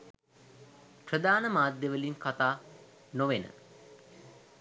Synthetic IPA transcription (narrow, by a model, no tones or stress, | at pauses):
prəd̪aːnəmaːd̪jeʋəliŋkat̪aː | noʋenə̰